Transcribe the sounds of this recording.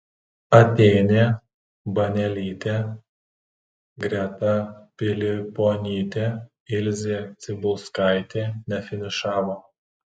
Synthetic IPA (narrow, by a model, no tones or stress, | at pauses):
ɐt̪ʲɛɪnʲeː | bɐnʲɛlʲiːt̪ʲeː | ɡɾʲɛt̪ɐpʲɪlʲɪpoːnʲiːt̪ʲeː | ɪlʲzʲeːt̪sʲɪbʊlˠskaˑɪt̪ʲeːnʲɛfʲɪnʲɪʃɑːʋoː